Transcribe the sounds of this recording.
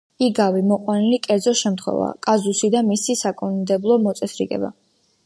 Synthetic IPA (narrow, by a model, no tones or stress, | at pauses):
iɡavimɔqʼwanilikʼɛɾd̪zɔʃɛmt̪ʰχwɛ̰va̰kʼazusid̪amisisakʼɔnnd̪ɛblˠɔmɔt̪sʼɛsɾiɡɛ̰ba̰